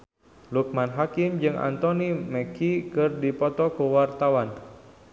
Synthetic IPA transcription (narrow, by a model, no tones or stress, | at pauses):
luk̚manɦakimd͡ʒɨŋʔa̰nt̪ɔnimɛkikɨrdipɔt̪ɔkuwart̪awan